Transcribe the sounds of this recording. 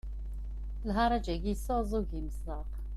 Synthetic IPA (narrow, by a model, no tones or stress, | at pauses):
lɦaɾad͡ʒɛɡisɔzuɡimsaq